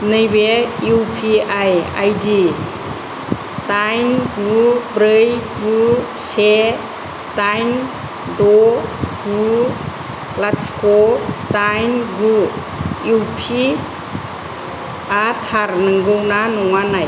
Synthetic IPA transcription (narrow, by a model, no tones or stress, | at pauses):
nɯjbeuwpʰiaja̰jdi | tajnɡubɾɯjɡu | se | tajn | dɔɡu | laskɔtajnɡu | juwpʰi | atʰaɾnɯŋɡɯwnanɔŋanaj